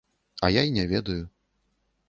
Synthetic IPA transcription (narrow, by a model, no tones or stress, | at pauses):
ɐ̰jainʲɛvʲɛd̪ɐju